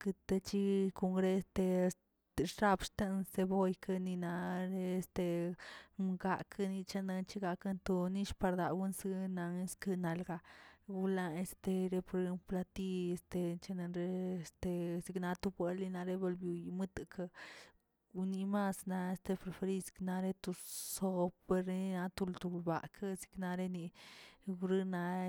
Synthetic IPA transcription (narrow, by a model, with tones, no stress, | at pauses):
kɨ˧t̪e˧t͡ʃi˦ko˧ŋɡɾe˦˧st̪e˧s | t̪ɾa˧bʃt̪e˦nse˧bo˧jka˧ni˧na˧ɾe˧st̪e˧ | mɡa˧kʰa˧ni˧t͡ʃa˧na˧nt͡ʃi˦ɡa˧ka˦nt̪o˧ni˦ʃpa˧ɾd̪a˨wu˦nsi˦na˧ŋ˦skɨ˧na˨lɡa˧ɡu˧la˧e˧st̪e˧ɾe˧po˧ɾe˧pla˧t̪i˦e˧st̪e˧t͡ʃa˧na˧nɾe˦˧st̪e˧zi˧kna˧˦t̪u˧bʷe˧li˧na˧ɾe˧˦bo˧lbju˧jmɨ˦t̪ɨ˧kʰa˧ | u˧ni˧ma˦sna˧e˧st̪e˧pɾe˧fe˧ɾi˦si̥˧kna˧ɾe˦t̪u˧so˧pːe˧ɾna˧t̪u˧lt̪u˧lba̰˨kʰa˦zi̥˧kna˧ɾe˦ni˧ | u˧ɾi˦na˧